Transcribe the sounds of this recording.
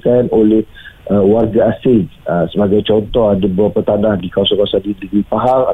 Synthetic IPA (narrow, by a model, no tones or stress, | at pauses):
kanʔolɛhʔəwarɡaasɪŋəsəbaɡajt͡ʃɔnt̪ɔɦadabəapərt̪anahdikawasɔkawasandidiɡipaɦaŋa̰